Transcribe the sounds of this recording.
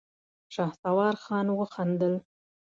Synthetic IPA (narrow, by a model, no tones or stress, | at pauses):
ʃɑht̪awɑɾxɑnwəxand̪əl